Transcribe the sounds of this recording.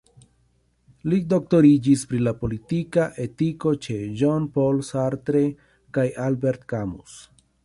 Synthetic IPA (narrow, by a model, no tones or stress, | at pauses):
lido̞k̚to̞ɾid͡ʒispɾilapo̞litikaʔe̞tiko̞t͡ʃe̞ʒonpo̞lsaɾtɾe̞ | kajalbe̞ɾtkamṵs